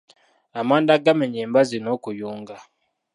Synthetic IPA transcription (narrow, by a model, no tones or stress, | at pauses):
amandaɡamɛɲɛmbazinokujuŋɡa